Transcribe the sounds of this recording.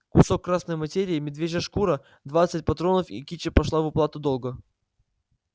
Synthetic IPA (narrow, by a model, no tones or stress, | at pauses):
kʊso̞kːɾasnəjmɐtʲeɾʲɪːmʲɪd̪vʲeʒʲəʂkuɾə | d̪vat̪sɨt̚ʲpɐt̪ɾo̞nəfḭkʲit͡ɕəpɐʂlˠavɨplˠat̪ʊd̪o̞lˠɡə